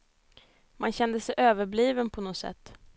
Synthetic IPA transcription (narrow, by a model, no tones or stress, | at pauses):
manɕɛnd̪əsɛjʔøːvəɾbliːvənpʰɔnɔsɛ̰t̪ː